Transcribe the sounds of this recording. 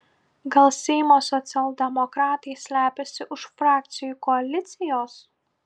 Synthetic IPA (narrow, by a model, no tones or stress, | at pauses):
ɡɐlˠsʲɛɪmoːsɔt̪sʲɪɐlˠd̪ʲɛmɔkɾɑːt̪ɐɪsʲlʲæːpʲɛsʲɪʔʊʃfɾɑːk̚t̪sʲɪjuːkɔɐlʲɪt̪sʲɪjoːs